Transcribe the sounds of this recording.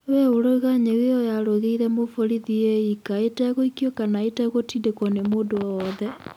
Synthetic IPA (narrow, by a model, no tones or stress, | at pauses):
weoɾoɣaɲeweɔjaɾoɣeiɾɛmofoɾiðieikaetaɛɣoikjokanaetaɣotidekɔnemoːdoɔðɛ